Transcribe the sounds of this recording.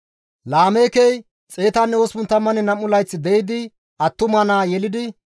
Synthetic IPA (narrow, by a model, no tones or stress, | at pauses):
laːmeːkɛj | t͡sʼe̞ːt̪anːɛospʊnt̪ːɐmːɐnɛnɐmːʊlɐjt͡sːɪd̪ɛjɪd̪ɪ | ɐt̪ːʊmɐnaːjɛlɪd̪ɪ